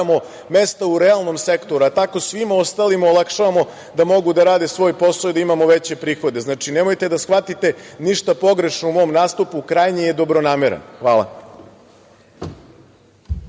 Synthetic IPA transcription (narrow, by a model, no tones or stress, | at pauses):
mo̞ | me̞st̪auɾealˠno̞mse̞kt̪o̞ɾuat̪ako̞sʋimaost̪alimaolˠakʃaʋamo̞ | d̪amo̞ɡud̪aɾaːd̪esʋo̞ːjpo̞sˠojd̪aimamo̞ʋet͡ɕe̞pɾiːxo̞d̪e̞znaːt͡ʂine̞mojt̪e̞d̪asxʋat̪it̪e̞niʃt̪apo̞ɡɾe̞ʃnoumo̞ːmnaːst̪upukɾajɲejed̪o̞bɾo̞naːmeɾḛnxʋaːlˠa̰